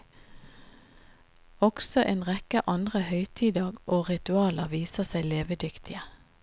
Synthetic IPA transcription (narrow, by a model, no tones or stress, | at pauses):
ɔɡ̥sɔʔeːnʁɛkəʔɑnd̪ʁəhœʏt̪ʰiːd̪əɡʔoːʁɪt̪ʉɑːləʋiːsəsæɪleːʋəd̪ʏkt̪ʰɪə